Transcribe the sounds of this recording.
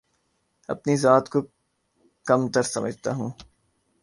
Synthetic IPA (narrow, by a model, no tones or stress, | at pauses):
ɐ̰pnizaːt̪ko | kɐmt̪ɐɾsɐməd͡ʒʱt̪a̰ɦũː